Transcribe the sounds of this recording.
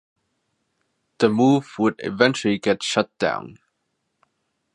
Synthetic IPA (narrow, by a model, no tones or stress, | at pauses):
ð̥əmuvwədɪ̰vɛ̃nt͡ʃl̩iɡɛtʃʌt̚d̥ã̰ʊ̃n